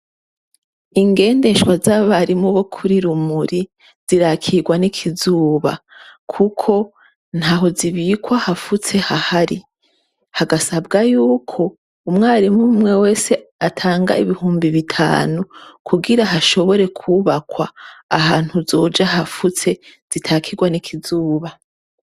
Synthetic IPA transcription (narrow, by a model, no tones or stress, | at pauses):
iŋɡe̞ːnde̞ʃwazaβaɾimuβo̞kʰuɾiɾumuɾi | z̥iɾakʰiɡwanikʰizuːβa̰kʰukʰo̞ | n̥haːɦo̞ziβiːkwahafut͡se̞hahaɾi | haɡasabɡajuːkʰo̞ | umŋaːɾimumŋe̞we̞ːse̞atʰaːŋɡa̰iβihuːmbiβitʰa̰ːnukʰuɡiɾaɦaʃo̞βo̞ɾe̞kʰuβakwaːɦaːn̥huzo̞ːd͡ʒaɦafut͡se̞z̥itʰaːkʰiɡwanikʰizuːβa